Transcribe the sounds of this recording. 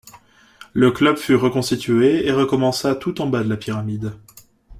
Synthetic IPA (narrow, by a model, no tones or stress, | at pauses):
ləklœbfyʁəkɔ̃st̪it̪ʰɥeeʁəkɔmɑ̃sat̪ut̪ɑ̃bad̪əlapiʁamid̪